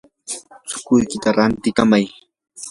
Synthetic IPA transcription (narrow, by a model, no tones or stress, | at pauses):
t͡sʊ̥kʊjkɪt̪aɾant̪ɪkamaj